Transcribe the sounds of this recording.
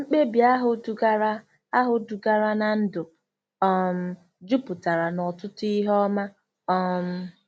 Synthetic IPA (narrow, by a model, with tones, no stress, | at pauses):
ŋ͡m̩˦k͡pe˦bja˦ɦʊ˦du˨ɡa˦ɾa˦ | a˦ɦʊ˨du˨ɡa˦ɾa˦na˨n̩˦dʊ˨ | ɔ˦m̩˦ | d͡ʒu˦pʊ˨ta˨ɾa˨nɔ˨tʊ˦tʊ˦i˦ɦɔ˦ma˦ | ɔ˦m̩˦